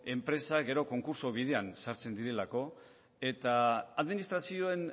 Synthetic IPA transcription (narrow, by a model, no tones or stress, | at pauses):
e̞mpɾe̞saɣe̞ɾo̞ko̞ŋkuɾso̞βið̞e̞ansaɾt͡se̞nd̪iɾe̞lako̞ | e̞t̪aaðminist̪ɾasio̞e̞n